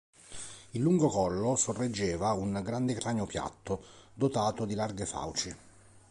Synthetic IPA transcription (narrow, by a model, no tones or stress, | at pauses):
ilːuŋɡokɔlːosorːed͡ʒːɛːvauŋɡɾand̪ekɾaːnjopja̰t̪ːod̪ot̪aːt̪od̪ilarɡefa̰wt͡ʃi